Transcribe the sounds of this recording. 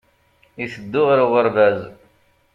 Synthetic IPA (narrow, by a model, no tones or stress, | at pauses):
iθəd̪ːʊʁɾʊʁəɾvæz